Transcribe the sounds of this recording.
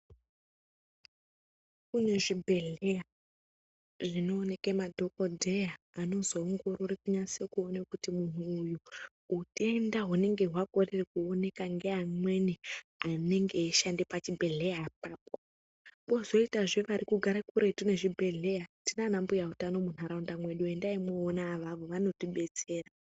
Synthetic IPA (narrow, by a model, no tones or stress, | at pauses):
kune̞ʐibʱe̞ɮe̞ja | ʐino̞ːne̞kemadʱo̞kodʱe̞jaːno̞zo̞ːŋɡo̞ɾorekuɲasekuonekutimun̤uːju | ute̞ndaɦune̞ŋɡe̞ɦwakorerekuone̞kaŋɡeamwe̞niane̞ŋɡe̞ːʃandepat͡ʃibʱe̞ɮe̞jap̚aːp̚o | ɓo̞zo̞itaʐeʋaɾikuɡʱaɾakuɾe̞tune̞ʐibʱe̞ɮe̞jatinanambujautano̞mun̤aɾaundamwe̞ɗue̞ndaimweːnaːʋaʋo̞ʋano̞tiɓe̞t͡se̞ːra